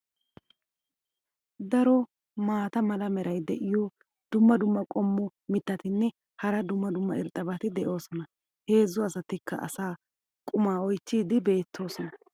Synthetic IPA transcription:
d̪ɐɾɔ | maːt̪ɐmɐlɐmɛɾɐjd̪ɛʔɪjɔ | d̪̥ʊmːɐd̪ʊmːɐkʼɔmːɔmɪt̪ːɐt̪ɪnːɛ | hɐɾɐd̪ʊmːɐd̪ʊmːɐɪɾt̪ʼɐbɐt̪ɪd̪ɛʔo̞ːsɔnɐ | he̞ːzːʊɐsɐt̪ɪkːɐ̰ɐ̰saː | kʼʊmaːɔjt͡ʃːiːd̪ɪbe̞ːt̪ʰːo̞ːsɔnɐ

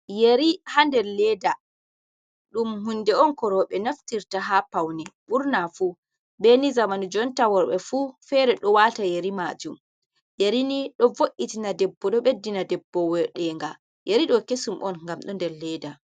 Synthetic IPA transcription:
jeɾihandɛɾlɛda | ɗumhundɛɔnkɔɾɔɓɛnaftiɾtaɦapawnɛɓuɾnafu | benizamanud͡ʒɔntawɔɾɓɛfufɛɾɛɗɔwatajeɾimad͡ʒum | jeɾiniɗɔvoʔːitinadɛbːɔɗɔɓedːinadɛbːɔwɛɗɛŋɡa | jeɾiɗɔkesumʔɔnŋɡamɗɔndɛɾlɛda

